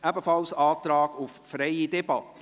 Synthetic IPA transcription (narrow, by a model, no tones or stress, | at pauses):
æbəfɑlsɑːt̪ɾɑːɡʊffɾɛɪidɛbɑtə